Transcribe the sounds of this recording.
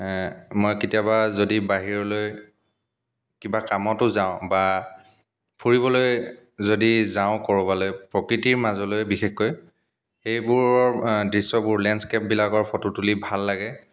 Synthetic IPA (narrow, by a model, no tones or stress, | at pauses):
mojkitijabazodibaɦiɹɔloj | kibakamɔtʊzaʊ̃ba | pʰuɹibɔloj | zodizaʊ̃kɔɹɔbalojpɹɔkɹitiɹmazɔlojbixexkoj | xejbʊɹɔɹdɹisɔbʊɹlɛnskep̚bilakɔɹpʰɔtutulibʱalːaɡɛ